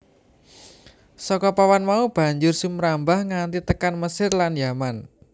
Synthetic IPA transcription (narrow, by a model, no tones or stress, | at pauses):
sɔkɔpawanmaub̥ä̤ɲd͡ʒʊrsumɾambahŋant̪it̪əkanməsɪrlanjaman